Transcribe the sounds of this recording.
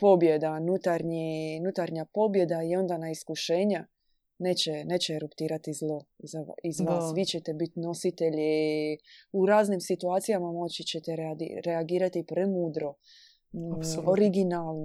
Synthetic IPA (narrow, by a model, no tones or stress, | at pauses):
po̞bje̞d̪anut̪aɾɲinut̪aɾɲapo̞bje̞d̪aio̞nd̪anaiskuʃe̞ːɲa | neːt͡ɕeneːt͡ɕeɾupt̪iːɾat̪izlˠo̞zaizʋasʋit͡ɕet̪ebit̪no̞sit̪e̞ʎi | uɾaːznimsit̪uaːt̪sijamamo̞t͡ɕit͡ɕet̪eɾḛɾe̞aɡiːɾat̪ipɾemuːd̪ɾo̞ | oɾiɡinaːlˠno